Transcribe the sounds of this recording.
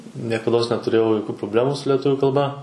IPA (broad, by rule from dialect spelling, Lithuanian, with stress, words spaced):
nʲiɛkɐˈdoːs nʲɛtʊˈrʲeːjɛʊ joːˈkʲuː proːˈbʲlʲæːmuː sʊ lʲɛˈtʊʋʲuː kɐlˠˈbɐ